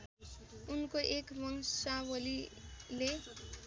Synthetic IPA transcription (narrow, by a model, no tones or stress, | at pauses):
unkoʔekmʌŋsawʌlile